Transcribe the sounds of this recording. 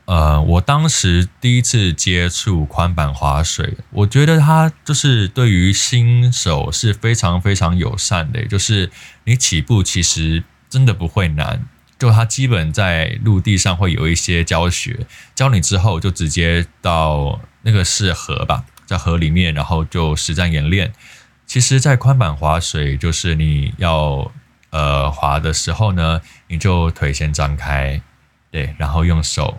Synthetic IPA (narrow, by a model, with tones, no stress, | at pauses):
ə˧wɔ˨˩t̪ɑ˥ŋʂɻ̩˧˥t̪i˥˩i˧˥t͡s̩ʰ˥˩t͡ɕjɛ˥ʈ͡ʂʰu˥˩kʰwa˥npa˨˩nxwa̰˧˥ʂwḛ˨˩ɪwʔɔ˨˩t͡ɕɥɛ˧˥ɾə˧t̪ʰa˥t͡ɕjo˥˧ʊʂɻ̩˥˧t̪we˥˩ɪy˧˥ɕi˥nʂo˨˩ʊʂɻ̩˥˩fe˥ɪʈ͡ʂʰɑ˧˥ŋfe˥ɪʈ͡ʂʰɑ˧˥ŋjo̰˨˩ʊʂa˥˩nd̪ə̰˩t͡ɕjo˥˧ʊʂɻ̩˥˩ni˧˥t͡ɕʰi˨˩pu˥˩t͡ɕʰi˧˥ʂɻ̩˧˥ | ʈ͡ʂə˥nd̪ə˨pu˧˦xwe˥˩ɪna̰˧˥˦n | t͡ɕjo˥˧˩ʊt̪ʰa˥t͡ɕi˥pə˨˩nt͡sa˥˧ɪlu˥˧t̪i˥˧ʂɑ˥˧ŋxwe˥˩ɪjo̰˨˩ʊi˥˩ɕjɛ˥t͡ɕjɑ˥ʊɕɥɛ̰˧˥t͡ɕjɑ˥ʊni˨˩ʈ͡ʂɻ̩˥xo˥˧ʊt͡ɕjo˥˩ʊʈ͡ʂɻ̩˧˥t͡ɕjɛ˥t̪ɑ˥˩ʊna˥˩ɡə˩ʂɻ̩˥˩xɤ̰˧˥ba̰˨t͡sa˥˩ɪxɤ˧˥li˨˩mjɛ˥˩nɻa˧˥nxo˥˧ʊt͡ɕjo˥˩ʊʂɻ̩˧˥t͡sa˥˩njɛ˧˥nljɛ˥˩n | t͡ɕʰi˧˥ʂɻ̩˧˥t͡sa˥˩ɪkʰwa˥npa˨˩nxwa˧˥ʂwe˨˩ɪt͡ɕjo˥˧ʊʂɻ̩˥˩ni˨˩jɑ˥˩ʊ | ə˩xwa̰˧˥d̪ə˧ʂɻ̩˧˥xo˥˩ʊnə˩ | ni˨˩t͡ɕjo˥˩ʊt̪ʰwe˧˥ɪɕjɛ˧˥nʈ͡ʂɑ˥ŋkʰa˥ɪ | t̪we˥˩ɪɻa˧˥nxo˥˧ʊjʊ˥˩ŋʂo̰˨˩˦ʊ